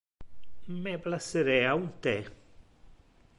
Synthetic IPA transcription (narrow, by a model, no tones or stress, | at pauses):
meplasːeɾɛaunt̪ɛ